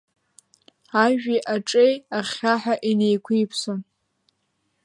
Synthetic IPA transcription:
aʒᶣiʔaʈ͡ʂʼejaχʲaħaʔinejkʷʰʊjpʰson

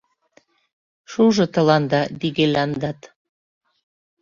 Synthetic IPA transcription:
ʃuʒɤ̆t̪ə̆lɑnd̪ɑd̪iɣelɑnd̪ɑt̪

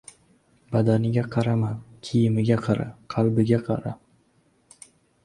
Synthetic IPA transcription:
bad̪anɪɡʲaqʰɑɾamankʲʰijɪmɪɡʲaqʰɑɾa̰qʰɑlˠbɪɡʲaqʰɑ̰ɾa

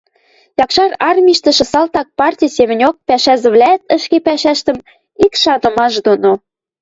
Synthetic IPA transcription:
jɑkʃɑrɑrmʲiʃt̪ə̆ʃə̆sɑlt̪ɑk̚pɑrtʲijsemɘ̆nʲok̚pæʃæzɘ̆βlʲæt̪ə̆ʃkepæʃæʃt̪ə̆m | ikʃɑnɤ̆mɑʃd̪ono

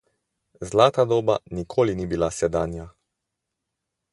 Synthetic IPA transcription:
zlaːt̪ad̪oːba̰nikʰoːlinibilasɛd̪aːnja

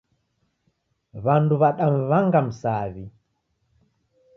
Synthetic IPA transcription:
βanduβaɗam̩βaŋɡam̩saβi

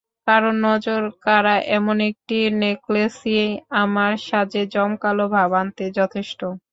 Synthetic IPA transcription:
kaɾonːɔd͡ʑoɾkaɾaʔɛmonek̚ʈineklesieamaɾʃad͡ʑed͡ʑɔmkalobʱabant̪ed͡ʑɔt̪ʰeʃʈo

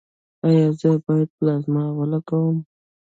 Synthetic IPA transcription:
ajɑzəbɑjad̪̚plazmɑawalakawəm

